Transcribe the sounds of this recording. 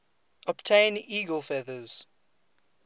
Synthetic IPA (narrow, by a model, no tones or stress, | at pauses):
ɔbtʰẽniɡəlˠfɛðəz̥